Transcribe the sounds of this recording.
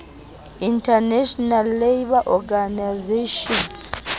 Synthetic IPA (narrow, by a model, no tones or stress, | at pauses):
intʰʼanɛʃɔnalːejbaʔɔɡanazeʃɔn